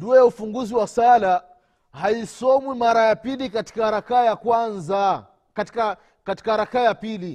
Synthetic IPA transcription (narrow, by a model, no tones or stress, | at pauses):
nduɛjaufuŋɡuziwasala | haisɔmwimaɾajapilikati̥kahɾakajakwanza | katika | kati̥kahɾakajapili